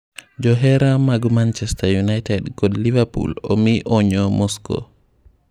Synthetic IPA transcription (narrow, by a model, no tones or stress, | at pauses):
d͡ʒɔɦɛɾamaɡumant͡ʃɛstajunajtɛdɡɔdlivapṵlɔ̰miʔɔɲɔmɔskɔ̰